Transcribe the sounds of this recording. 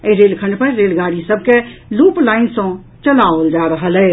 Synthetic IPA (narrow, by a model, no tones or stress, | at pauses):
əɾelkʰə̃ɳɖpəɾːelɡaɽisəbʱkeluplaɪnsə̃ | t͡ʃəlaold͡ʒaɾəɦəlɛɪ